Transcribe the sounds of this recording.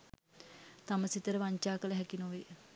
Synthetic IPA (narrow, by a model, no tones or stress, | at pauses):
t̪aməsit̪əɾəʋaɲt͡ʃaːkələɦɛkinoʋe